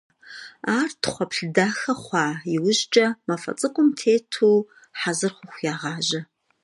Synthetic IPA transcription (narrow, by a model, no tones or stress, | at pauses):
aːrtχʷɔpɬdaːxɐχʷɑːiwʊʒt͡ʃʼɐmɐfɐ̰t͡sʼɨkʷʼʊmtʰeːtʰuː | ħazɨrχʷʊχʷjaːʁɑːʒɐ